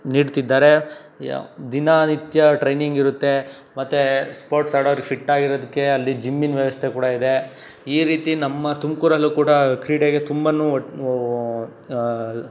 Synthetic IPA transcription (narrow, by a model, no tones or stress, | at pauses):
niːɖt̪id̪ːaːɾe̞ | d̪inanit̪jɐʈɾejniŋɡiɾut̪ːe̞ | mɐt̪ːespoːɾʈsaːɽoʋɐɾiɡepʰiʈːaːɡiɾoːd̪ukːe̞ɐlːid͡ʒimːinʋjɐʋɐst̪ʰe̞kuːɽɐid̪e̞ | iːɾiːt̪inɐmːɐt̪umkuːɾɐlːukuːɽɐkɾiːɽeɡe̞t̪umbɐnu